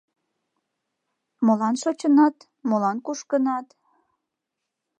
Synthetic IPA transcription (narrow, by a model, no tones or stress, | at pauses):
molɑnʃot͡ɕənɑt̪ | molɑnkuʃkənɑt̪